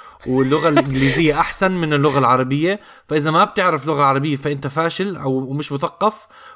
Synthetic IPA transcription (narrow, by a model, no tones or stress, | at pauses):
wɪlːʊɣalʔʔɪŋɡliːzɪjːaʔaħsanmɪnɪlːʊɣalʕɑɾˤɑbɪjːa | faʔɪzamab̚t̪ɪʕɾɪflʊɣaʕɑɾˤɑbɪjːafaʔɪnt̪afaːʃɪlʔawmɪʃmʊθɑqːɑf